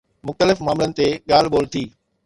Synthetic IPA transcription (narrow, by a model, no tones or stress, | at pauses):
mʊxt̪əlɪfmaːmɪlənɪ̆t̪eɠaːl̤ɓoːlt̪ʰiː